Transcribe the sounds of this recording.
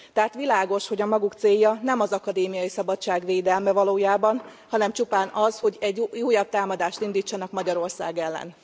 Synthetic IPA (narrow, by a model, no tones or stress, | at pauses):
t̪ɛɦat̪ʋilaːɡo̞ʃho̞ɟɒmɒɡukt̪seːjːɒnɛmɒzɒkɒd̪eːmijɒjisɒbɒtt͡ʃːaːɡʋeːd̪ɛlmɛvɒloːjaːbɒn | hɒnɛmt͡ʃupaːnɒzho̞ɟɛɟːuːjɒb̚t̪aːmɒd̪aːʃt̪ind̪iːt͡ʃːɒnɒkmɒɟɒɾo̞rsa̰ːɡɛlːɛ̰n